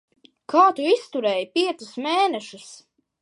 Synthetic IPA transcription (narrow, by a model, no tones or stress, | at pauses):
kʰaːt̪uist̪uɾɛːjpiɛt̪susmeːnɛʃus